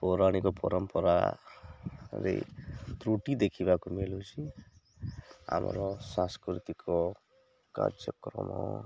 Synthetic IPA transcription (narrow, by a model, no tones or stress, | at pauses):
pɔɾaɽ̃ikɔpɔɾɔmpɔɾa̰ | ɾḛt̪ɾuʈid̪ekʰibakumelut͡ʃʰi | a̰mɔ̰ɾɔsãskɾit̪ikʰɔ | ka̰ɾd͡ʒjɔkɾɔ̰mɔ